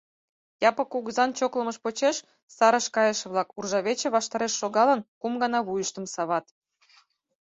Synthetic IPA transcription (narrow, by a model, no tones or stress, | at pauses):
jɑpɤ̆kuɣəzɑnt͡ɕoklə̆məʃpot͡ɕeʃ | sɑɾəʃkɑjəʃə̆βlˠɑkurʒɑβʲet͡ɕĕβɑʃt̪ɑɾeʃːoɣɑlə̆nkumɡɑnɑβujəʃt̪əmsɑβɑt̪